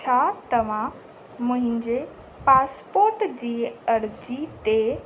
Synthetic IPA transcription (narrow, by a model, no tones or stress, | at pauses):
t͡ɕʰaːt̪ɐʋ̤ã | mʊ̃ɦɪ̃ɲd͡ʑe | paːspoːɾʈd͡ʑiːɐɾd͡ʑit̪e